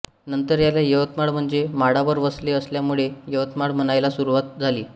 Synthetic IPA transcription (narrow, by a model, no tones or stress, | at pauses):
nənt̪əɾjalajəʋət̪maɽm̤əɳd͡zemaɽaʋəɾʋəsleəsljamuɭejəʋət̪maɽm̤əɽ̃ajlasuɾuʋat̪̚d͡zʱaliː